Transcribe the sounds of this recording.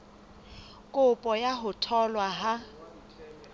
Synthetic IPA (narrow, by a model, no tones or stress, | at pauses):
kʼʊpʼɔjaɦʊtʰɔlwaɦa